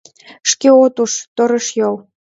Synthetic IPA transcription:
ʃkeot̪uʃt̪oɾə̆ʃjol

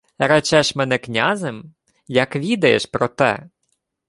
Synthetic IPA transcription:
ɾɐt͡ʃɛʃmɛnɛknʲazem | jɐkʋʲid̪ɐjeʃpɾɔt̪ɛ̰

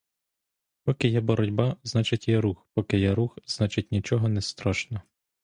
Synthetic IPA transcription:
pɔkɪjɛbɔɾɔdʲbɑznɑt͡ʃɪtʲjɛɾuxpɔkɪjɛɾuxz̥nɑt͡ʃɪt̚ʲnʲit͡ʃɔɦɔnɛst̪ɾɔʃnɔ

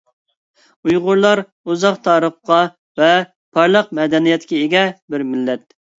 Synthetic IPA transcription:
ujʁʊɾlˠɑɾ | uzɑqt̪ʰɑːɾəχqɑ | vɛ | pʰɑɾlˠəq̚mɛd̪ɛnijɛt̪kʲɛeɡʲɛbɪɾmɪlːɛt̪̚

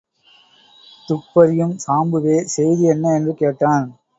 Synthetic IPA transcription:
t̪ʊpːɐɾɪjɯmsaːmbɯʋeːsɛjðɯɛnːɐɛndrɯkeːʈːaːn

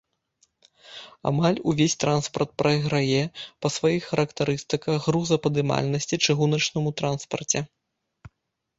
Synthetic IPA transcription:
a̰malʲuvʲesʲt̪ɾanspɐrt̪̚pɾʔɐjɣɾajɛpɐsvajixːɐɾɐkt̪aɾɨst̪ɨkɐɣɣɾuzɐpɐd̪ɨma̰lʲnɐsʲt͡sʲit͡ʂɨɣunɐt͡ʂnɨmut̪ɾanspɐ̰rt͡sʲɛ

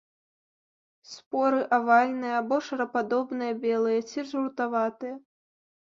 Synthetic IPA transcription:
spɔɾɨʔavalʲnɨjɐabɔʂɐɾɐpad̪ɔbnɨjɐbʲɛlˠɨjɐt͡sʲiʐɾut̪avat̪ɨjɐ

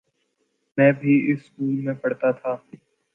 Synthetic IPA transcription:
mɛ̃ːbʱiɪsːkuːlmẽpɐɽt̪at̪ʰaː

